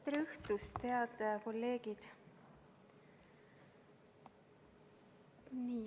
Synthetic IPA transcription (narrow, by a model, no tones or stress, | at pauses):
t̪ɾɯht̪ust̪eɑd̪ɑkolːeːɡ̥id̪̥ | ni